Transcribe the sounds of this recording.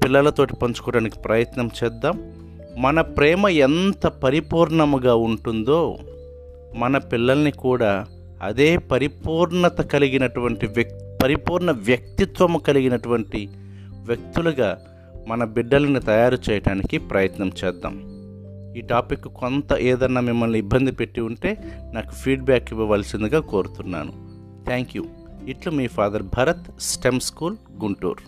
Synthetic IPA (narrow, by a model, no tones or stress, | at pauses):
pilːɐlɐt̪o̞ːʈi̥pɐɲt͡ʃu̥kɔːɽaːniki̥pɾɐjɐt̪nɐmt͡ʃɛːd̪ːaːmː | ɐnɐpɾɛːmɐent̪ɐpɐɾipuːɾɳɐmuɡaːuɳʈund̪o̞ː | mɐnɐpilːɐlɐnikuːɽaː | ɐ̰d̪e̞ːpɐɾipuːɾɳɐt̪ɐkɐliɡinɐʈuʋɐɳʈipɐɾipuːɾɳɐʋjɐk̚t̪it̪ʋɐmukɐliɡinɐʈuʋɐɳʈi | ʋjɐk̚t̪uluɡaː | mɐnɐbiɖːɐlɐnit̪ɐjaːɾut͡ʃɛːjɐɽaːnikipɾɐjɐt̪nɐmt͡ʃɛːd̪ːa̰ːm | iːʈaːpikːuko̞nt̪ɐʔeːd̪ɐnːaːmimːɐlniːbːɐnd̪ʱipe̞ʈːiuɳʈe̞ːnaːku̥pʰiːɖ̚baːkiʋɐʋaːlsind̪uɡaːko̞ːɾut̪unːa̰ːnṵ | t̪ʰɛːŋkju | iʈlomiːpʰaːd̪ɐɾbʱɐːɾɐt̪sʈemskuːl | ɡuɳʈṵːɾ